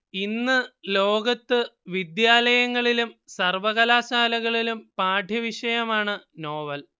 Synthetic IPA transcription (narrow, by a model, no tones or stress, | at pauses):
inːɨlo̞ːɡɐt̪ːɨʋid̪jaːlɐjɐŋːɐɭilumsɐrʋɐɣɐlaːɕaːlɐɣɐɭilumpaːɖʱjɐʋiʂɐjɐmaːɳɨno̞ːʋɐl